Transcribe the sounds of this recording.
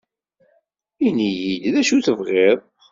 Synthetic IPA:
inijid̪ðæʃuθəvʁeðˤ

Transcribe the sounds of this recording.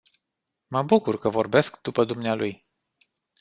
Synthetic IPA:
məbukurkəvo̞rbe̞skd̪upəd̪umnealuj

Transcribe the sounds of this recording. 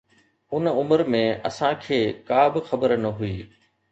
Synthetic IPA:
ʊnʊməɾmẽɐ̰sãkʰeːkaːbɪxɐbəɾnɐɦuiː

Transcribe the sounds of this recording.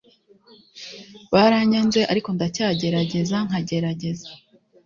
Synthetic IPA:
βaɾaɲanze̞ʔaɾiko̞ndacaːɟe̞ɾaɟe̞zaŋ̥haɟe̞ɾaɟe̞zḁ

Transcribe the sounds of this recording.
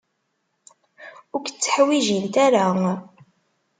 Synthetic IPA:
ʊɾkt͡sːə̥ħwiʒint̪æɾa

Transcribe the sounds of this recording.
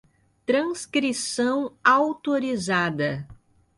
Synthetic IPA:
t̪ɾɐ̃skɾisɐ̃w̃awt̪oɾizad̪ɐ

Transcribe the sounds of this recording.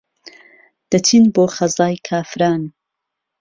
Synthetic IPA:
d̪̥ɐtʰinboːχɐzaːjkʰaːfɾaːn

